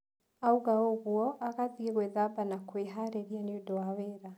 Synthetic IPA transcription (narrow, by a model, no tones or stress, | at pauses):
auɣaoɣuɔʔaɣaðiɣwɛðabanakweɦaɾeɾianiudɔaweɾa